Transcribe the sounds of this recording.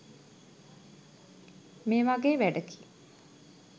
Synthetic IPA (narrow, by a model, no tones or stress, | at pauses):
meːʋaɡeːʋæɖəki̥